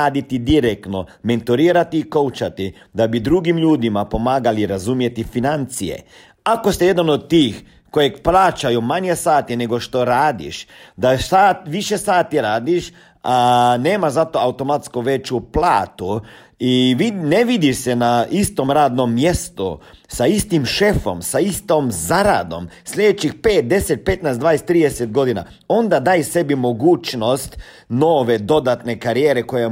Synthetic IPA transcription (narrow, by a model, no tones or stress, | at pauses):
aːd̪it̪id̪iɾekt̪noment̪uɾiːɾat̪iːkowt͡ʃat̪i | d̪abid̪ɾuɡimʎuːd̪imapo̞maːɡaliɾazumjet̪ifinant̪sijḛ | akost̪ijed̪anod̪̚t̪ːiːx | kojekplaːt͡ʃajumaɲjesaːt̪ineɡoʃt̪oɾaːd̪ḭʃd̪asaːt̪ʋiʃesaːt̪iɾaːd̪iʃ | aneːmazat̪oawt̪o̞mat̪skuʋet͡ʃuplˠaːt̪u | iʋineʋid̪iʃsenaist̪o̞mɾaːd̪nomːje̞st̪ṵsaist̪imʃefo̞̰msaist̪omzaɾa̰d̪o̞̰msʎʲed̪et͡ɕixpeːt̪̚d̪e̞set̪̚pe̞t̪najsd̪ʋaːjest̪ːɾiːd̪eset̪̚ɡo̞d̪ina̰ | o̞nd̪ad̪aːjse̞bimo̞ɡuːt͡ʃno̞st̪ | noːʋe̞d̪o̞d̪at̪ne̞kaɾijeːɾe̞ko̞je